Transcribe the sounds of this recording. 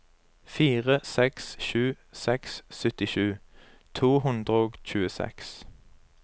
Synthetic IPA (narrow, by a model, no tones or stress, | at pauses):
fiːʁəsɛksʃʉː | sɛkssœt̪ɪʃʉː | t̪ʰuːhʉnd̪ʁəoːɡc͡çʉːəsɛ̰ks